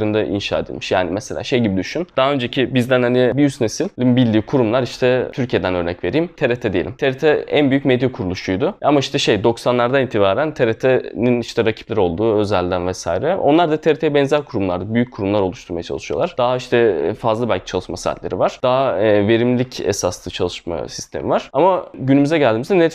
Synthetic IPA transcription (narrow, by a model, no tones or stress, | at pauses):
ɾɯnd̪aʔḭnʃa̰ːḛd̪ʲḭmiʃja̰ːnimɛselʲʔa̰ːʃejɟibid̪yʃynd̪̥aɦaø̞nd͡ʒecʰibizd̪ænhanibijysnesilʲimbilʲd̪iːkʰuɾumlˠaɾiʃt̪ʰɛt̪ʰyɾcʰijed̪ænø̞ɾnɛcve̞ɾiːimt̪ʰeɾet̪ʰɛd̪ejelʲimt̪ʰeɾet̪ʰɛænbyjycmed̪jɛkʰuɾulˠuʃujd̪ʊamaiʃt̪ʰɛʃe̞jd̪o̞ksanlˠaɾd̪anint̪ʰibaːɾænt̪ʰeɾet̪ʰɛniniʃt̪ʰɛɾacʰi̥plʲæɾo̞lˠd̪uːøzælʲd̪ænvɛsa̰iɾɛo̞̰nlˠaɾd̪at̪ʰeɾet̪ʰeɛbɛnzæɾkʰuɾumlˠa̰ɾd̪ɯbyjyc̚ʰuɾumlˠaɾo̞lˠuʃt̪ʰuɾmajat͡ʃʰa̰lˠɯʃɯjolˠaɾ̥d̪̥aɦaiʃt̪ʰɛfazlˠɯbælʲcʰi̥t͡ʃʰalˠɯʃmasaa̰lʲːe̞ɾḭvaɾ̥d̪̥aɦave̞ɾimlʲicʰḛsaslˠɯt͡ʃʰalˠɯʃma̰si̥st̪ʰe̞mḭvaɾ̥amaɟynymyzɛɟælʲd̪iːmizd̪ɛne